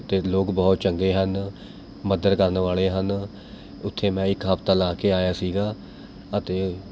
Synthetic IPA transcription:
t̪eːloːkbɔːt̪̚t͡ʃəŋɡeːɦən | məd̪əɾkəɾnʋaːleːɦən | ʊt̪ʰːeːmɛ̃ːɪkɦəpʰt̪ãːlaːkeːaːjaːsiːɡaː | ət̪eː

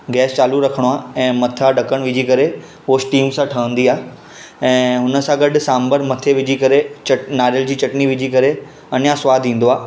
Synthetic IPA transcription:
ɡɛːst͡ɕaːluɾɐkʰəɽ̃oaːɛ̃ːmɐt̪ʰaɖɐkəɽ̃ʋɪd͡ʑʱikɐɾe | oːsʈiːmsãʈʰɐʋə̃nd̪iaːɦ | ɛ̃ːɦʊnə̆sãɡɐɖʊ̆saːmbəɾmɐt̪ʰeʋɪd͡ʑʱikɐɾet͡ɕɐʈnaːɾjəld͡ʑiːt͡ɕɐʈniʋɪd͡ʑʱikɐɾe | ɐnjãsʊʋaːd̪ʱʋĩːn̆d̪oaː

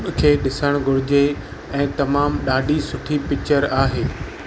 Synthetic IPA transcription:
kʰeːɗɪsəɽ̃ɡʱʊɽɪd͡ʑe | ɛ̃ːt̪ɐmaːmɗaːɖʱisʊʈʰipɪt͡ɕəɾaːɦeː

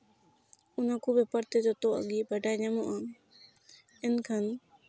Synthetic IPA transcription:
unakubɛpəɾt̪ɛd͡ʒɔt̪ɔʔa̰ɡibaɖajɲamɔʔa | ɛnkʰan

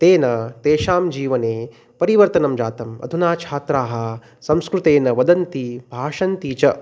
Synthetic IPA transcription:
t̪eːnɐt̪eːʃaːmd͡ʒiːʋɐneː | pɐɾiʋɐɾt̪ɐnɐmd͡ʒaːt̪ɐmɐ̰d̪ʱunaːt͡ʃʰaːt̪ɾaːɦɐ | sɐmskɾut̪eːnɐʋɐd̪ɐnt̪ibʱaːʂɐnt̪iːt͡ʃɐ

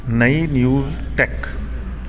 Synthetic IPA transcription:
nɐinjuːzʈɛk

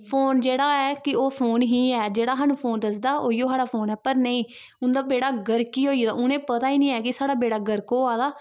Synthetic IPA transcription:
pʰoːnd͡ʒeːɽaːɛːkɪoːpʰoːnɦiːɛːd͡ʒeːɽaːɦanũːpʰoːnd̪əsd̪aːʔoːijoːsaːɽaːpʰoːnɛːpəɾnəĩː | ʊnd̪aːbeːɽaːɡəɾkiːɦoːiːd̪a̰ːʔʊnẽːpət̪aːiːnĩːɛːkɪsaːɽaːbeːɽaːɡəɾkoːaːd̪aː

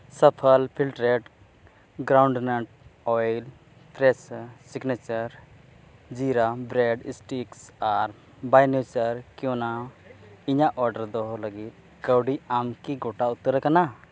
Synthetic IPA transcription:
səpʰəlpʰilʈɾeʈ | ɡɾawɳɖnəʈ̚ɔjl | pɾɛssiɡnɛt͡ʃəɾ | d͡ʒiɾabɾɛɖḭsʈiksaɾ | bajnjut͡ʃəɾkjɔ̃na | iɲaʔɔɾɖəɾd̪ɔɦɔləɡit̪̚ | kəwɖiamkiɡoʈaut̪ːəɾkana

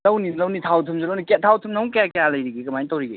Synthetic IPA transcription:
lɐwnilɐwnitʰawtʰɯmzulɐwniketʰːawtʰɯmnɐwkjakejalɐjɾiɡiɡɐmajntɐwɾiɡḛ

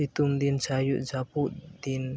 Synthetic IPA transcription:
it̪umd̪int͡ʃajuʔd͡ʒapuʔd̪in

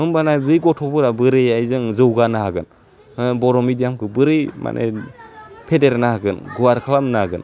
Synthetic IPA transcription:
ɯmbanazɯjɡɔtʰɔbɯɾabɯɾɯjajzɯŋzɯwɡanaɦaɡɯn | ɯbɔɾɔmidijamkʰɯbɯɾɯjma̰nʔḛ | pʰedeɾnaɦaɡɯnɡuwaɾkʰalamnaɡɯn

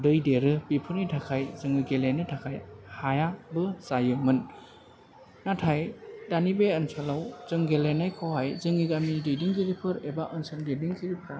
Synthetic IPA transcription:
dɯjdeɾɯbipʰɯɾnitʰakʰajzɯŋiɡelenɯtʰakʰajhajabɯsajɯmɯn | natʰajdanibeənsʰɔlawzɯŋɡelenajkʰowhajzɯŋiɡamidɯjdiŋɡʰiɾipʰɯɾebaʔɯnsɯndediŋkʰiɾipʰɾa

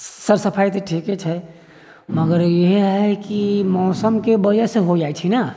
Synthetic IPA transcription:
səɾsəpʰajt̪eʈʰiket͡ʃʰɛ | məɡəɾjeɦɦɛkimɔːsəmkebəd͡ʒaseɦod͡ʒajt͡ʃʰina

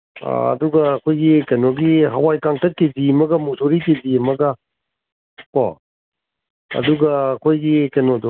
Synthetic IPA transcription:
a̰ɐ̰duɡɐːkʰojɡikɐjnoɡiɦɐwajkaŋtʰɐkːezimɐɡɐmusoɾikezimɐɡɐ | kɔ̰ | ɐ̰duɡɐːkʰojɡikɐnodu

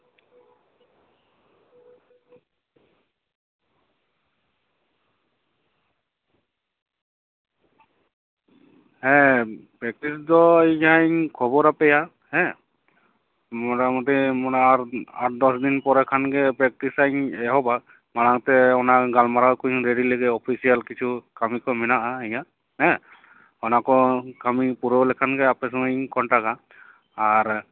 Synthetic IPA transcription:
hɛpɹɛk̚tisdɔeajŋkʰɔbɔɾapɛja | hɛ | mɔtamɔt̪ɛmɔaaɾd̪ɔsdinpɔɾɛkʰanɡɛpɾɛk̚tisajɲɛɦɔba | manaŋt̪ɛɔnaɡalmaɾawkuɲɾeɖileɡɛɔpʰisijalkit͡ʃʰukamikɔmɛnaʔaɛɲa | ɛ | ɔnakɔkamipuɾɔlɛkʰanɡɛapɛsɔŋaɲkɔntaɡaː | ɾ

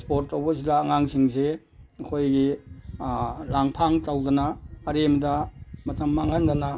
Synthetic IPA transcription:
spoɾtːowbɐs̬ilaːŋaŋsiŋse | ɐkʰojɡi | laŋpʰaŋtawdɐnɐːɾemdɐmɐtɐmːaŋhandɐnɐ

